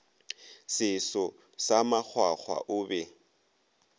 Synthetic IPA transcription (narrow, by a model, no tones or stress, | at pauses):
sɪsɔ | samak͡xʰwak͡xʰwa̰ʔʊːbɛ